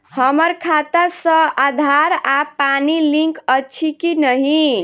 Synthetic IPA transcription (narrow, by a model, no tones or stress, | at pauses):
həməɾkʰat̪əɾsə̃ad̪ʱaɾapanilĩŋkəːt͡ʃʰikinəɦi